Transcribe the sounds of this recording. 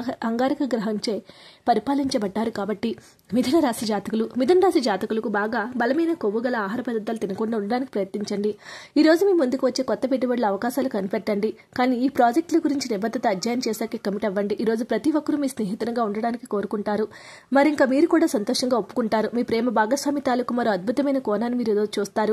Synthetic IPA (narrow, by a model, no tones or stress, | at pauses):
ɐŋɡaːɾikɐɡɾɐɦɐɲt͡ʃe̞ːpɐɾipaːliɲt͡ʃɐbɐɖːaːɾukaːbɐʈːi | mid̪ʱɐnɐɾaːsid͡ʒaːt̪ikulumid̪ʱɐnɐɾaːsid͡ʒaːt̪ikulɐkubaːɡaːbɐlɐmɐjnɐkoʋːuɡɐlɐaːɦaːɾɐpɐd̪ɐd̪ːɐlɐt̪inɐkuɳːɖuɳɖɐɽaːniki̥pɾɐjɐt̪niɲt͡ʃɐɳɖiiːɾoːd͡ʒumiːmund̪ukiʋɐt͡ʃːe̞ːkɔt̪ːɐpeʈːibɐɽlɐɐʋɐkaːʃaːlukɐnipɛʈːɐɳɖi | kaːniːpɾaːd͡ʒek̚ʈlɐɡuɾiɲt͡ʃinibɐd̪ʱːɐt̪ɐːd͡ʒjaːjɐmt͡ʃɛːsaːkeːkːɐmiʈɛʋːɐɳɖiʔiːɾo̞ːd͡ʒupɾɐt̪iʋɐkːɐɾumiːsneːɦit̪uɾɐŋɡaːuɳɖɐɽaːnikiko̞ːɾukuɳʈaːɾu | mɐɾiŋkaːmiːɾukuːɽaːsɐnt̪ɔːʂɐŋɡaːopːu̥kuɳʈaːɾumiːpɾɛːmɐbaːɡɐsʋaːmit̪aːlɐkumɐɾoːɐd̪̚bʱut̪ɐmɐjnɐkɔːnaːnːimiːɾeːd̪oːt͡ʃuːst̪aːɾu